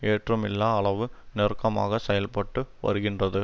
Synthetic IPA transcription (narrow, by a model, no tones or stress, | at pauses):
eːʈrɐmɪlːaːɐɭɐʋɯnɛrkːɐma̰ːɣɐsɛjɐlpɐʈːɯʋɐ̰ɾɯɣɪndrɐðɯ